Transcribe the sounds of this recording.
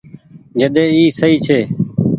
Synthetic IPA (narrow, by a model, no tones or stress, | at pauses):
d͡ʒəɗ̪eːiːsəiːt͡ʃʰeː